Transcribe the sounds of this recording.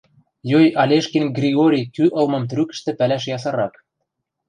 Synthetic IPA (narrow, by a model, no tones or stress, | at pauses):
jojɑlʲeʃkinɡrʲiɣoɾʲijkyʔɤ̆lmɤ̆mt̪rykə̥̆ʃt̪ĕpælæʃ̬jɑs̬ɑ̆ɾɑk